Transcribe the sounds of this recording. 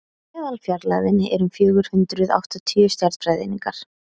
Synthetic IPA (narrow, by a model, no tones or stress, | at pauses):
mɛːðalfjaɾla̰ðɪnɪʔɛɾʏmfjœːɣʏɾ̥hʏnt̪ɾʏða̰wht̪ɔt̪ʰiːʏst̪jaɾðpɾajðɪ̰niŋkaɾ̥